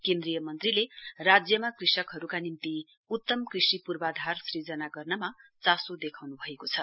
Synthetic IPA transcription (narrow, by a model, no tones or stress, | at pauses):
kẽnd̪rijʌmʌnt̪rilerad͡zjʌmakrisʌkɦʌɾukanint̪i | ut̪ːʌmkrisipurbad̪ʱarsrid͡zʌnaɡʌrnʌmat͡sasod̪ekʰawnubʱʌekot͡sʰʌ